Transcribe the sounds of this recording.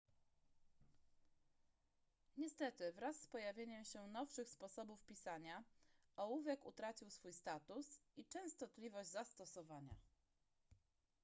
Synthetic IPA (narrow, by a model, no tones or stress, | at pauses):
ɲɛst̪ɛt̪ɘvɾasːpɔjavʲjeɲɛmɕɛnɔfʂɘxspɔsɔbufpʲisaɲaʔɔwuvʲɛkut̪ɾat͡ɕiwsfujst̪at̪usit͡ʂɛ̃w̃st̪ɔt̪lʲivɔʑd͡ʑzast̪ɔsɔvaɲa̰